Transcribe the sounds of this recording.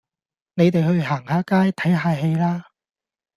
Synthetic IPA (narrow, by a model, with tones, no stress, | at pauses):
ne˨˧jt̪e˨jhɵ˧ɥɦaː˨˩ŋhaː˨˥kaː˥jt̪ʰɐ˨˥jɦaː˨˧ɦe˧jlaː˥